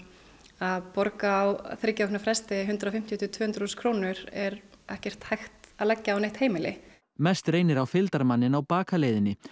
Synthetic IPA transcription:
aðpɔɾkaːwθɾɪcaɔknʏfɾɛst̪ɪɦʏnt̪ɾawfɪm̥t̪jit̪ʏt̪v̥ʏːhʏnt̪ɾ̥uskʰɾownʏɾ̥ɛɾɛhcɛr̥t̪hajxt̪aðlɛcːaːawneht̪heːjmɪlɪ̰ | mɛst̪ɾeːjnɪɾawfɪlt̪aɾmanːɪnawpaːkʰalejðɪnːɪ

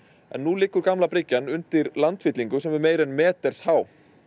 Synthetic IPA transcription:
ɛ̰nːulɪːkːʏɾkamlapɾɪcːanʏnt̪ɪɾlant̪fɪt̪liŋkʏsɛmvɪɾmeːjɾɛnmɛːt̪ɛɾ̥shaːw

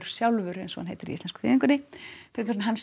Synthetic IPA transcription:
ɾ̥sjawlvʏɾɛ̰nsɔhanɦḛjt̪ɪɾiḭst̪ɛnskʏ̥fɪ̰ːðiŋkʏnɪfɪɾkas̬naɦans

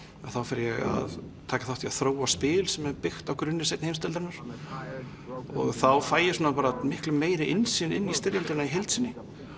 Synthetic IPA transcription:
aðθawfɪɾjɛɣa̰ðt̪ʰaːkḁθaht̪ʰiaðθɾoːwaspɪːlsɛmɛɾpɪxt̪awkɾʏnːɪɾ̥sejt̪nhejmst̪ɪlt̪aɾnaɾ̥ | ɔ̰ɣθawfaːjɪsuːnapaːɾamɪhklʏmːeːjɾɪʔɪnsɪnɪnːist̪ɪɾjalt̪ɪnaiɦejlt̪sɪnːɪ

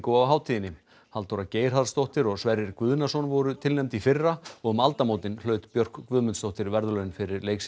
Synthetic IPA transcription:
kowawɦaːwt̪ʰijɪnːɪm | halt̪owɾaceːjɾ̥hað̥st̪owht̪ɪɾɔɣsvɛɾɪɾkvʏðnasɔnvɔɾʏt̪ʰɪlnɛmt̪ifɪrːaɔɣʏmalt̪amoːwt̪ɪnlœːɥt̪pjœr̥kkvʏːðmʏnst̪owht̪ɪɾvɛɾðʏlœːnfɪɾɪɾleːjks

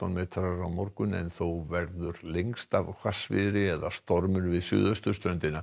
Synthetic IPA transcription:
anmɛːt̪ʰaɾaɾawmɔɾkʏnɛ̰nθowvɛɾðʏɾleŋst̪a̰vkʰvasvɪ̰ðɾɪɛðast̪ɔɾmʏɾvɪðsjʏ̰ːðœst̪ʏst̪ɾœnt̪ɪna

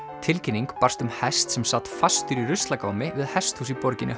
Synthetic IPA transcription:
t̪ʰɪlcʰɪnːiŋkpar̥st̪ʏmhɛst̪sɛmsat̪fast̪ʏɾirʏst̪lakaːwmɪvɪðhɛst̪husipɔɾcɪnʏ

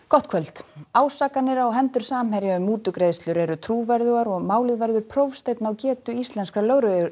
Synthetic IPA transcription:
kɔht̪̚kʰvœl̥t̪aːwsaːkanːɪɾawɦɛnt̪ʏɾ̥saːmhɛɾjaʏmːuːt̪ʏkɾeðst̪lʏɾɛɾʏt̪ʰɾuːvɛɾðʏɣaɾɔɣmaːwlɪðvɛɾðʏɾ̥pʰɾowfst̪ejt̪nawcɛːt̪ʏist̪lɛnskalœːɣɾʏ

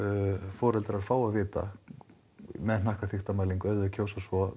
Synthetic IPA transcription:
fɔːɾɛlt̪ɾaðfaːwaðvɪːt̪a̰ | mɛðn̥ahkaθixt̪amaːliŋkœðʏcʰoːwsasɔ

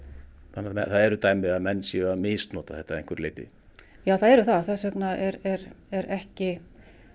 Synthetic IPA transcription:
anːamɛθaðɛɾʏt̪aːjmɪamɛnːsiameːst̪nɔːt̪ḁθɛht̪aɾḛ̃ŋkvɛɾleːjt̪ɪ̰ | jaːwθaðɛɾʏθaðθaðsœpnaɛɾɛɾɛɾɛhcɪ

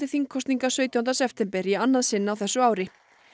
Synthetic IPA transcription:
ɪθiŋkʰːɔst̪niŋkasœːɥt̪œant̪asɛpt̪ʰɛmpɛɾianːaðsɪnːawθɛsːʏaːwɾɪ

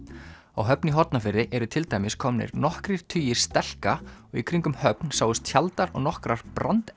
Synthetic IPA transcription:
awɦœpniɦɔt̪nafɪɾːɪʔɛɾʏt̪ʰɪlt̪ajmɪskʰɔmnɪ̰ɾnɔhkɾɪɾ̥t̪ʰyːjɪɾ̥st̪ɛl̥kaɔɣikʰɾiŋkʏmhœpnsaːwʏst̪çalt̪aɾɔ̰ɣnɔhkɾaɾ̥pɾant̪

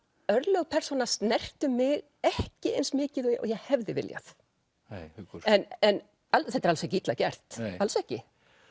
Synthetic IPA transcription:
œɾlœɣpʰɛr̥sɔnasnɛr̥t̪ʏmɪɣ | ɛhcɪḛjnsmɪːcɪðɔɔ̰jɛɣhɛvðɪvɪ̰lja̰θ | jkɾ̥ɛnɛn | alθɛt̪ɛɾalsɛhcit̪lacɛr̥t̪alsɛhcɪ

